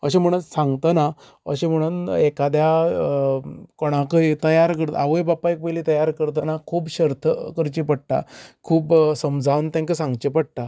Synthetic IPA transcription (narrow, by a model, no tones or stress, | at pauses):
ə̰ɕẽm̤əɽ̃unsãŋɡt̪əna | ə̰ɕẽm̤əɽ̃uːnekad̪ja | koɽ̃ãkəit̪əjaɾkəɾt̪ə̰aʋəjbapːaik̚pəjlit̪əjaɾkəɾt̪̬ənakʰuːbɕəɾt̪ʰəkəɾt͡ɕipəɽʈ̪a̰kʰuːbsəmd͡zʱawnt̪ãŋkəsãŋɡt͡ɕepəɽ̚ʈ̪a